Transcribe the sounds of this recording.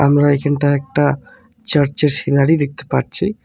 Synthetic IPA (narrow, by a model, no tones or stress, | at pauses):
a̰mɾaekʰanʈaɛk̚ʈa | t͡ɕəɾt͡ɕeɾʃinaɽid̪ek̚t̪e̥paɾt͡ɕʰi